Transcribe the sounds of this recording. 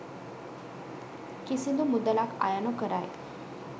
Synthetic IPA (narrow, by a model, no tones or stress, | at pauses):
kisind̪umud̪əlakʰa̰janokəɾaj